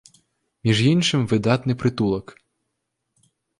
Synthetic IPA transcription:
mʲiʒjinʃɪmʋɪd̪ɑt̪nɪjpɾɪt̪ulˠɐk

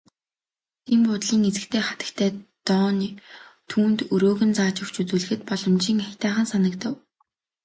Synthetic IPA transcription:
t̪ʰimpʊt̪ɮiːŋet͡sɘ̆kt̪ʰeːχḁt̪ə̥̆kt̪ʰæːt̪ɔːnit̪ʰuːnt̪ɵɾoːɣɘ̆nt͡saːt͡ɕʊ̆kt͡ɕut͡suːɮɘ̆xɘ̆t̪̚pɔɮɞ̆mt͡ɕiːŋaxʲt̪æːχə̆nsanə̆kt̪ə̆w

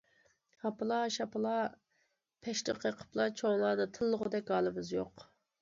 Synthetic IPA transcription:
hɑpɨlˠɑʃɑpɨlˠɑ | pʰɛʃt̪ə̰qʰəqʰə̥plˠɑt͡ʃʰoŋlˠɑːd̪ɨt̪ʰɨlˠːəʁʊd̪ɛk̚ʲɡɑːlˠɨmɪzjoq

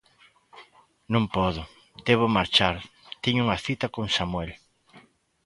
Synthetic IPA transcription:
nõŋpɔðʊ | d̪̥eβomaɾt͡ʃaɾt̪iɲʊuŋɐθit̪ɐkõŋsamwɛl

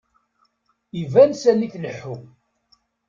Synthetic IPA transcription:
ivænsæniknəħːu

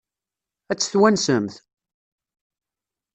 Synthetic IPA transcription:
æt͡sːθwænsəmθ

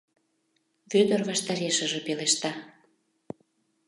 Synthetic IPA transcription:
βød̪ərβɑʃt̪ɑɾeʃəʒĕpeleʃt̪ɑ

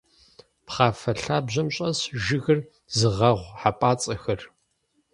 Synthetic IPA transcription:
pχaːfɐɬaːbʑɐmɕʼɐsʒɪɣɐr | zɨʁɐʁʷħapʼaːt͡sʼɐxɐr

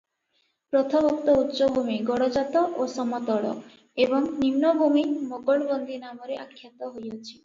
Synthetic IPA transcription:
pɾɔt̪ʰɔbɔk̚t̪ɔut̪ːʃɔbʱumiɡɔɽɔd͡ʒat̪ɔʔosɔmɔt̪ɔɭɔ̰ | ebɔŋninːɔbʱumimoɡɔɭbɔnd̪ʱinamɔɾeʔakʰːjat̪ɔɦojɔt͡ʃʰi̥

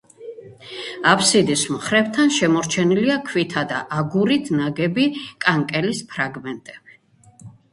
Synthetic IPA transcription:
apʰsid̪ismχɾɛvt̪ʰanʃɛmɔɾt͡ʃʰɛniliakʰwit̪ʰad̪a̰ʔaɡuɾit̪ʰnaɡɛbikʼaŋkʼɛlispʰɾaɡmɛnt̪ʼɛb̥i

